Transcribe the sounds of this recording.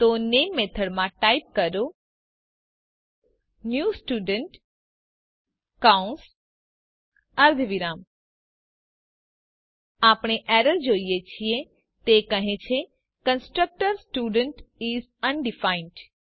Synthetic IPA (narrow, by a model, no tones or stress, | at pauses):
t̪onemːet̪ʰəɽmãʈaip̚kəɾo | njusʈuɖəɳʈ | kaũns | əɾd̪ʱʋiɾam | apɽ̃eʔɛɾəɾd͡ʒoijet͡ʃʰie | t̪ekəɦẽt͡ʃʰe | kə̃nsʈɾək̚ʈəɾsʈuɖəɳʈizənɖifainɖ